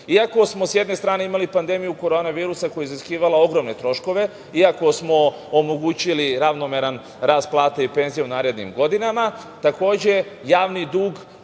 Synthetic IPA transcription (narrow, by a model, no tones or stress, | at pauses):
iako̞smo̞sje̞d̪ne̞st̪ɾaːne̞imalipand̪e̞mijuko̞ɾo̞ːnaʋiːɾusako̞jeziskiːʋalao̞ɡɾo̞mne̞t̪ɾo̞ʃko̞ʋe̞ | iako̞smo̞ | omo̞ɡuːt͡ɕiliɾaʋno̞meɾan | ɾaːsplˠaːt̪eipe̞nzijeunaːɾe̞d̪nḭmɡo̞d̪inama | t̪ako̞ːd͡ʑe̞jaːʋnid̪uːɡ